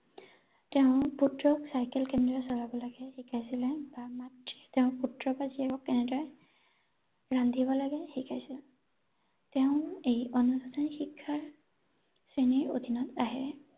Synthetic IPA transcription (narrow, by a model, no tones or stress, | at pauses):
teʊ̃putɹɔksajkɛlkɛndɔsɔlabɔlaɡɛxikʰajsilɛbamatitɛʊ̃putɹɔpaziakɔkːɛnɛdɔɹɛ | ɡ̥ɹandʱibɔlaɡɛxikʰajsil | teʊ̃ejonustʰanixikʰːaɹ | sɹeniɹo̰dʱinɔtaɦɛ